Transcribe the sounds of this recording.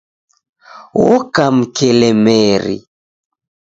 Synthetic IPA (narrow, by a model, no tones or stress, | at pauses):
wɔkam̩kʰɛlɛmɛɾḭ